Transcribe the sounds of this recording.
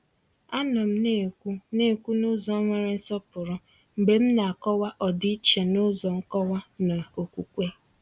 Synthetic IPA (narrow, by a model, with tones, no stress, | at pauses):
a˦nɔ˨m̩˦ne˦˨kʷu˦ne˦˨kʷu˦nʊ˦zɔ˨˦ŋʷe˨ɾe˦n̩˦sɔ˦pʊ˨ɾɔ˦ | m̩˨be˨m̩˦na˨a˨kɔ˦wa˦ʔɔ˨di˦t͡ʃe˨nʊ˦zɔ˨ŋ̩˦kɔ˦wa˦na˨o˨kʷu˨kʷe˦